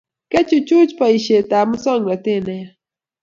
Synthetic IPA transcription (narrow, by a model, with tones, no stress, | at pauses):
kɛ˦t͡ʃu˨t͡ʃu˦t͡ʃpa˨i˨ʃe˨ta˨mɔ˦sɔ˦ŋla˨tɪ˦˨nɛ˦